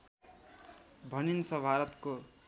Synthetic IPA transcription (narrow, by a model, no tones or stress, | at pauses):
bʱʌninsʌbʱaɾʌt̪ko